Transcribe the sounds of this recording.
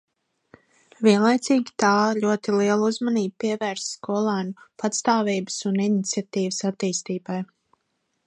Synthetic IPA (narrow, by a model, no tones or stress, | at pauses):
vʲiɛnlˠajt̪siːɡʲi̥t̪aːʎuɔt̪iliɛlˠuzmaniːb̚piɛvæːɾsːkɔɔlˠaːnupʰat̪st̪aːviːbəsuninit̪sʲiat̪iːvəsat̪ːiːst̪iːbaj